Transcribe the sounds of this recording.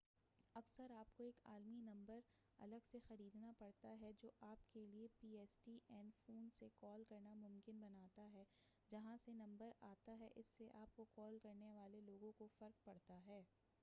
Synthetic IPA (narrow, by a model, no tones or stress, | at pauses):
ɐksəɾaːp̚koeːka̰ːlminɐ̃mbəɾ | ɐ̰ləɡsexɐɾiːd̪napɐɽt̪aɦɛd͡ʒoːʔaːpkeliepiːɛːsʈiʔɛːnfoːnsekɔːlkɐɾnamʊ̃mkɪnbɐnaːt̪aɦɛː | d͡ʒɐɦãsenɐ̃mbəɾaːt̪aɦɛʔɪsːeʔaːp̚kokɔːlkɐɾneʋaːleloːɡõkofɐɾk̚pɐɽt̪aɦɛː